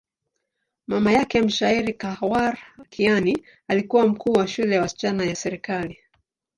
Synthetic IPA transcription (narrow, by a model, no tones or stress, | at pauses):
mamajakɛm̩ʃaiɾikawaɾkʰiani | alikuwam̩kʰuːwaʃulɛjawasi̥t͡ʃanajasɛɾikali